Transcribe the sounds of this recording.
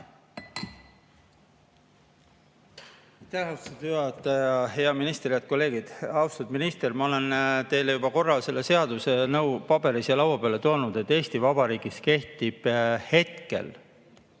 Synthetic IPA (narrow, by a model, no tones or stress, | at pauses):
ɑjt̪æhɑwst̪ud̪yhɑt̪ˑːɑjɑhe̞ɑminist̪eɾijɑt̪̚ko̞lːe̞ːɡid̪̥ɑwst̪ud̪minist̪e̞rmɑo̞le̞nt̪e̞jlejubɑko̞rːɑlse̞lːese̞ɑd̪̥usenɤwpɑb̥e̞ɾisjɑlɑwɑpeɑle̞t̪o̞ːnud̪̥e̞t̪ːˑe̞ːst̪ivɑb̥ɑɾiːɡ̥iske̞ht̪ib̥he̞t̪ke̞̰l